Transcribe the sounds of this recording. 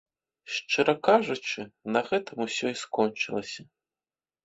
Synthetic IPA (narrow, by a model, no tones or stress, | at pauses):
ʂt͡ʂɨɾɐkaʐut͡ʂɨnɐɣɛt̪ɐmusʲɔiskɔnʲt͡ʂɨlˠɐsʲɐ